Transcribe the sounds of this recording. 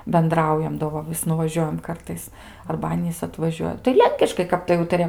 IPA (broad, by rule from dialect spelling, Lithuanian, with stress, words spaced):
bʲɛnˈdrɐʊjɛm doː ˈʋɐ ʋʲɪs nʊʋɐˈʒʲuɔjɛm ˈkɐrtɐɪs ɐrbɐ ˈɑːnʲiːs ɐtʋɐˈʒʲuɔjɛ tɐɪ ˈlʲɛŋʲkʲɪʃkɐɪ ˈkɐp tɐɪ ˈuːtɐrʲɪjɛm